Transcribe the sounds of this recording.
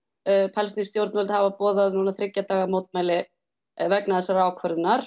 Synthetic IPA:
pʰɛlst̪inst̪jowɾt̪nvɛlt̪havapɔːðaðnuːnaθɾɪcːat̪aːɣamoːwt̪̚maːjlɪ | vɛknaðɛsaɾaːwkʰvœɾðnaɾ̥

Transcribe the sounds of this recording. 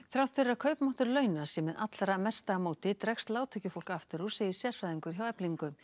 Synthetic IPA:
θɾawt̪ʰɛɾɪɾakʰœɥpmɔht̪ʏɾlœɥnasjɛmɛðʔa̰t̪laɾamɛst̪amoːwt̪ɪt̪ɾɛkst̪laːwt̪ʰʏcʏfowl̥kaft̪ɪɾu̥seːjɪ̥sjɛr̥faðiŋkʏɾ̥çjawɛpliŋkʏm

